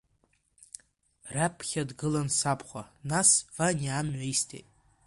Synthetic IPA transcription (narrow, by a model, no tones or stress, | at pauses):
rapʰχʲadɡɨlansapʰχʷanasvaniamʕʷaistʰḛtʼ